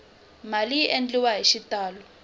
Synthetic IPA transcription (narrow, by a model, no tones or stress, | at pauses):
maliʔend͡ɮiwaɦiʃitaːlɔ